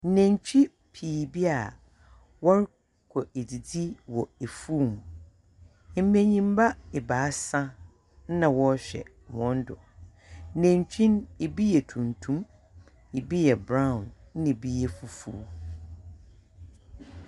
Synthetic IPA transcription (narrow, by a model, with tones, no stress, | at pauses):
n̩˦nɛ̃˨ɲt͡ɕʰᶣi˦ | pʰiː˨bi˦a˨ | wɔ˦ɾ | kʰɔ˨e˨di˨di˦wɔ˨e˨fuː˦˨m˨˦ | m̩˦mẽ˨ɲĩ˦m˦ba˦ɛ˨baː˨˦sã˦ | n̩˦nã˨wɔ˦ɕᶣɛ̰˨ | wɔ̃˦n˦dʊ̰˨˦ | nɛ̃˨ɲ˨t͡ɕᶣĩ˦ne˨bi˦jɛ˨tʰũ˨ntʰũ˦m | e˨bi˦jɛ˨bɾã˦˨ʊ̃˨n̩˦nɪ̃˨bi˦jɛ˦fu˨fṵ˨˦